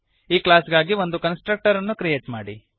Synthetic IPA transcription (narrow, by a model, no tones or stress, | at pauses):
iːklaːsɡaːɡiʋo̞nd̪ukɐnsʈɾɐk̚ʈɐɾɐnːukɾijeːʈmaːɽḭ